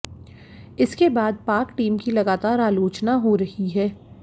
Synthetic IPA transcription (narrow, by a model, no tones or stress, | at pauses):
ɪskebaːd̪̚paːɾkʈiːmkilɐɡaːt̪aːɾaːloːt͡ʃnaɦoɾɐhiɦɛː